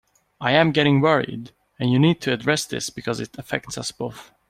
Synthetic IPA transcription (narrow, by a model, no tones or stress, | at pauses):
ʔaɪɨ̃mɡɛɾɪ̃ŋwɜɹḭd | ɨ̃njɨnid̚tʰɨɨdɹɛsðɪ̰sb̥ɨkʰʌzɨɾəfɛ̰k̚tsʌsb̥oʊθ